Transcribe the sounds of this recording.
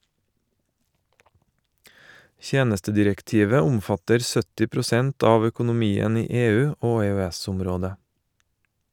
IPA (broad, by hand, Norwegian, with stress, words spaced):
ˈçeːnəstədɪɾɛkˌtiːʋə ˈʊmˌfɑtəɾ ˈsœtɪ pɾʊˈsɛnt ˈɑːʋ œkʊnʊˈmiːən ˈiː ˈeːˌʉː ˈoː ɛœˈæsʊmˌɾoːdə